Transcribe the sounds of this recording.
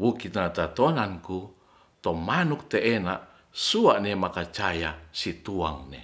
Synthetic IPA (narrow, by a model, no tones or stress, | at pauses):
wukit̪̚nat̪at̪onanku | t̪ɔmanuk̚t̪eʔːnaʔ | suaʔnemakat͡ʃajasit̪ua̰ŋnḛ